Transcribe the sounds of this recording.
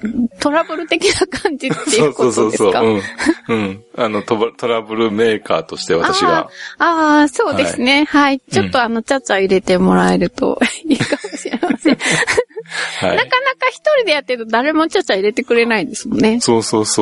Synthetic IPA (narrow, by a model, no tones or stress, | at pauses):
t̪o̞ɾabɯ̟ɾɯ̟t̪e̞kʲinakãɲd͡ʑit̪ːejɯkoodsooːesokaɯɯ̃ɯ̃ɴano̞t̪ot̪o̞ɾabɯ̟ɾɯ̟me̞ːka̰ːt̪o̞ɕi̥t̪e̞βaaaaɕiβa̰aːso̞ːd̪esɨne̞hait͡ɕo̞t̪ːo̞ano̞t͡ɕat͡ɕaiɾe̞t̪e̞mo̞ɾae̞ɾɯ̟t̪o̞̰iːkamo̞ɕiɾe̞masẽ | ha̰inakanakaçi̥t̪o̞ɾʲid̪e̞jat̪ːeɾɯt̪o̞d̪aɾe̞mo̞t͡ɕat͡ɕaiɾe̞t̪e̞kɯ̟ɾe̞naid̪e̞sɨmo̞nːesoːsoːso